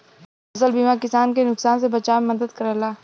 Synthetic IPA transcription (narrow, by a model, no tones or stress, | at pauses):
ɐzəlbiːmakɪsaːnkenʊksaːns̬ebɐt͡ʃaːmemɐd̪əd̪kɐɾəlaː